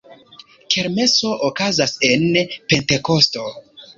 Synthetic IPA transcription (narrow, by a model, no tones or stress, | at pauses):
kʰe̞ɾme̞so̞ʔokazase̞npe̞nte̞kosto̞